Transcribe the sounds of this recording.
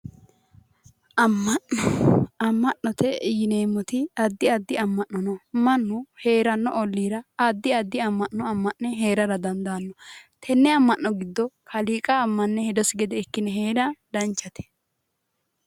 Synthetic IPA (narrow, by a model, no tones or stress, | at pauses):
ɐmːɐnːɔɐmːɐʔnɔt̪ʰɛjɪne̞ːmːɔt̪ɪɐd̪ːɪɐd̪ːɪɐmːɐʔːɔnɔmɐnːʊhe̞ːɾɐnːɔʔɔlːiːɾɐɐd̪ːɪɐd̪ːɪɐmːɐnːɔɐmːɐʔnɛɦe̞ːɾɐɾɐd̪ɐnd̪aːnːɔt̪ʰɛnːɛɐmːɐnːɔɡɪd̪ːɔkʰɐliːkʼaːmːɐnːɛhɛd̪ɔsɪɡɛd̪ɛːkːɪnɛɦeːɾɐd̪ɐnt͡ʃːɐt̪ʰɛ̥